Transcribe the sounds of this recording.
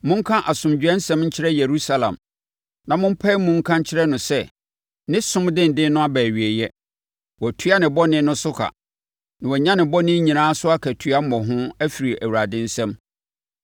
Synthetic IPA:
mʊ̃˦ŋ˦kʰã˦ʔa˨sʊ̃˨md͡ʑᶣɛ̃˦n̩˦sɛ̃˦mɲ̩˦t͡ɕʰɪ˦ɾɛ˦je˨ɾu˦sa˦lã̰˨m | nã˨mʊ̃˦m̩˦pʰa˦i˦mʊ̃˦ŋ̩˦kʰã˦ɲ̩˦t͡ɕʰɪ˦ɾɛ˦nʊ̃˨sɛ˦˨ | nɪ̃˦sʊ̃˦mdɪ̃˦n˨dɪ̃˦nʊ̃˦a˦bæː˨ɥi˨e˨jɛ˦ | wɔ˨tʰɥa˦nɪ̃˨bɔ˦nɪ̃˦nʊ̃˦sʊ˦kʰa̰˨ | nɪ̃˨wɔ˨ɲã˦nɪ̃˨bɔ˦nɪ̃˦ɲĩ˨nãː˦sʊ˦a˦kʰæ˨tʰɥa˦m̩˦mɔ̃˨ɦʊ̃˦æ˦fi˨ɾi˨ʔæ˨wu˨ɾa˨dɪ̃˦n̩˦sɛ̃˦m

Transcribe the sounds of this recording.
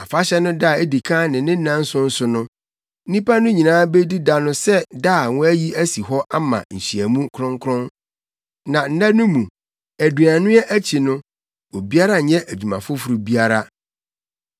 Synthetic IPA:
a˨fa˦ɕɛ˦nʊ̃˦da˦˨e˦di˨kʰã˦nɪ̃˨nɪ̃˦nã˦n̩˦sʊ̃˦n̩˦sʊ˦nʊ̃˦ | n̩˦nĩ˦pa˦nʊ̃˦ɲĩ˨nãː˦be˦di˦da˨nʊ̃˦sɛ˦da˦˨wʊ̃˦æ˦ji˦æ˦si˨ɦɔ˦ʔa˦mã̰˨ɲ̩˨ɕi˨æ˨mũ˦kʰɾʊ̃˦ŋkʰɾʊ̃˦n | nã˨n̩˦nã˦nʊ̃˦mũ˨ | æ˨du˨a˨nʊ̃˦ɛ˦ʔæ˦t͡ɕʰi˨nʊ̃˦ | o˨bi˦a˦ɾa˦˨ɲɛ̃˦ʔæ˨d͡ʑᶣu˨mã˨fʊ˦fu˨ɾu˨bi˦a˦ɾa˦

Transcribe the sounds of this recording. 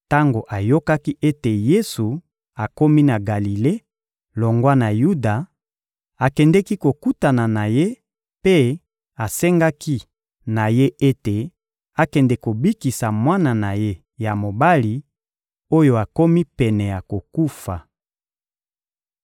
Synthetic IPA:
ta˦ŋɡo˨ʔa˨jo˦ka˦ki˦ʔe˦te˨je˦su˨ | a˨ko˦mi˦na˨ɡa˨li˨le˦ | lo˨ŋɡwa˦na˨ju˦da˨ | a˨kɛ˨ndɛ˦ki˦ko˨ku˦ta˨na˨na˨je˦ | pe˦ | a˨sɛ˦ŋɡa˦ki˦ | na˨je˦e˦te˨ | a˨kɛ˨ndɛ˨ko˨bi˦ki˨sa˨mwa˦na˨na˨je˦ | ja˨mo˨ba˦li˨ | o˦jo˨a˨ko˦mi˦pɛ˨nɛ˨ja˨ko˨ku˦fa˨

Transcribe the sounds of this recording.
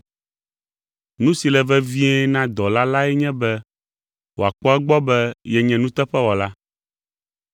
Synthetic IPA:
nũ˦si˨lɛ˨vɛ˦vi˦ɛ˦nã˦d̪ɔ˨la˦la˦ɛ˦ɲɛ̃˦bɛ˦ | wo˨a˨k͡pɔ˦ɛ˦ɡ͡bɔ˦bɛ˦jɛ˨ɲɛ̃˨nũ˦t̪ɛ˦ɸɛ˦wɔ˨la˦

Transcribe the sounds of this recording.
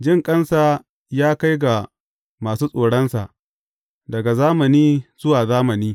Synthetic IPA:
d͡ʒɪ˦ŋkʼɐ˦nsaː˦ | jaː˦ka˦jɡa˨ | maː˨suː˦sʼoː˨ɽɐ˦nsa̰˨ʔ | dɐ˨ɡa˨zaː˦mɐ˨niː˦zʊ˦waː˨zaː˦mɐ˨niː˦

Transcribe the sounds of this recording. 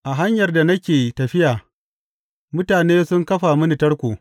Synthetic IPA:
ʔa˨ɦa˦ɲjɐ˨rda˨nɐ˦kʲeː˨tɐ˨ɸɪ˦jaː˨ | mʊ˦taː˨neː˦sʊ˦ŋkɐ˦ɸa˨mʊ˦nɪ˨tɐ˦rkʷoː˨

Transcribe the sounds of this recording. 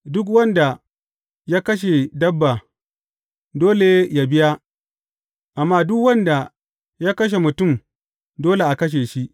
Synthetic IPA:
dʊ˦k̬wɐ˦nda˨ | jaː˦kɐ˦ʃ̬e˨dɐ˦bːa˨ | doː˦le˨˦ja˨bɪ˦ja˦ | ʔa˨mːaː˦dʊ˦kwɐ˦nda˨ | jaː˦kɐ˦ʃ̬e˨mʊ˨tʊ˦˨m | doː˦le˨ʔa˨kɐ˦ʃ̬e˨ʃi˦ʔ

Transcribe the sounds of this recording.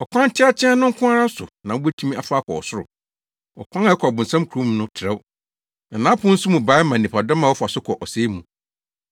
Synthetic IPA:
ɔ˨kʷʰã˦n˦t͡ɕʰɪ˦a˦t͡ɕʰɛ̃˦a˦nʊ̃˦ŋ̩˦kʰʊ̃˦a˦ɾa˦sʊ̰˨nã˨wbɛ˦tʰu˦ĩ˦a˨fa˦kʰɔ˨ɔ̰˨sʊ˦ɾʊ̰˨ | ɔ̰˨kʷʰã˦na˨ɛ˦kʰɔ˨bʊ̃˨n̩˨sã˦mkʰu˨ɾũ˦m˦nʊ̃˦tʰɪ˨ɾɛ˦w | na˨nã˦pʰʊ̃˦n̩˦sʊ˦mũ˨ba˨˦mã˨nĩ˨pʰa˨dɔ˦mã˨wɔ˦fa˨sʊ˦kʰɔ˨ʔɔ˨se˦mũ˨

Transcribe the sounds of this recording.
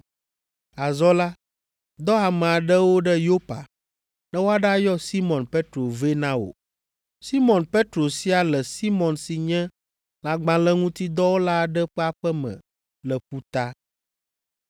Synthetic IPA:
a˨zɔ˦la˦ | d̪ɔ˦a˨mɛ̃˨a˨ɖə˦wo˦ɖɛ˦jo˦pa̰˨ | nɛ̃˦wo˦a˦ɖa˦jɔ˦si˦mɔ̃˨npe˦t̪ɾo˨ve˦nã˦wo̰˨ | si˦mɔ̃˨npe˦t̪ɾo˨si˦a˨lɛ˨si˦mɔ̃˨nsi˨ɲɛ̃˦ | la˨ɡ͡bã˨lɛ˦ŋũ˦t̪i˦d̪ɔ˦wo˦la˦˨ɖɛ˦ɸɛ˦a˨ɸɛ˦mɛ̰̃˨ | lɛ˨ɸu˦t̪a˦

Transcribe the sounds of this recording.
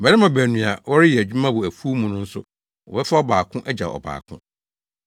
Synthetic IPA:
m̩˨bɛ˨ɾɪ˦mã˨bæː˨nũ˨a˨wɔ˦ɾɪ˦jɛ˨æ˨d͡ʑᶣu˦mã˦bʊ˨æ˨fu˦mũ˨nʊ̃˦n̩˦sʊ˦ | wɔ̰˨bɛ˦fa˦ɔ˦baː˨kʰʊ̃˦ʔɛ˦d͡ʑa̰˨ɔ̰˨ba̰ː˨kʰʊ̰̃˦

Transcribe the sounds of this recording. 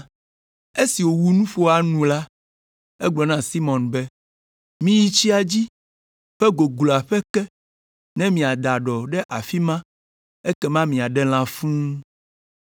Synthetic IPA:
e˦si˨wo˨wu˦nũ˦ɸo˦a˨nũ˨la˦ | ɛ˦ɡ͡blɔ˨nã˦si˦mɔ̃˨nbɛ˦ | mĩ˦ji˦t͡ɕi˦a˨d͡ʑi˦ | ɸɛ˦ɡo˨ɡlɔ˨a˨ɸɛ˦kɛ˦ | nɛ̃˦mĩ˨a˨d̪a˨ɖɔ˨ɖɛ˦ʔa˨fi˦mã˦ | e˦kɛ˦mã˦mĩ˨a˨ɖɛ˦l̃ã˦fũ˦

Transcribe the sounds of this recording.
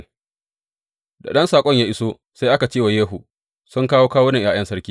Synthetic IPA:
da̰˨ɗɐ˦nsaː˨kʷʼɔ˦ɲjaː˦ʔɪ˦soː˦ | sa˦jʔa˦ka˨t͡ʃeː˦˨wa˨jeː˦ɦu˨ | sʊ˦ŋkaː˦woː˦kaː˦woː˦nɪ˨jaː˦jɐ˦nsɐ˦ɽkʲiː˦

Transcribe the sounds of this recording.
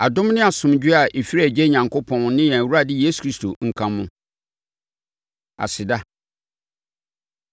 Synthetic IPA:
a˨dʊ̃˦m˦nɪ̃˦a˨sʊ̃˨md͡ʑᶣɪ˦a˨ʔe˨fi˦ɾi˦æ˨d͡ʑɛ˦ɲã˨ŋkʰʊ˦pʰɔ̃˦nnɪ̃˦jɛ̃˨wu˦a˦dɪ˦jeː˦su̥˨kʰɾi˦stʰo˨ŋ̩˨kʰã˦mːʊ̃˦ | a̰˨sɪ˨da˦

